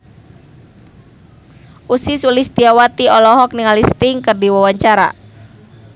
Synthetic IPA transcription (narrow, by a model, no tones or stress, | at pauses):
ʔusisulist̪iawat̪iɔlɔɦɔk̚niŋalist̪ɪŋkərdiwawaɲt͡ʃaɾa̰